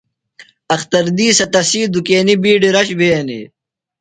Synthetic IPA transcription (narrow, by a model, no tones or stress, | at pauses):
ɐxt̪ɐɾd̪iːsɐt̪ɐsiːd̪ukeːnibiːɖiɾɐɕbeɐnḭ